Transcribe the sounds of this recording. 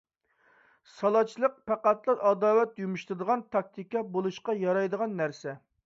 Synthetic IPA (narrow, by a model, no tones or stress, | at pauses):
sɑlˠɑt͡ʃʰːilˠəq̚pʰæqæt̪lˠɨɾʔɑd̪ɑːwɛt̪̚jumuʃt̪ɾɨd̪əʁɑnt̪ʰɑk̚t̪ʰikɑbolˠuʃqɑjɑɾɑjd̪əʁɑnːæɾsɛ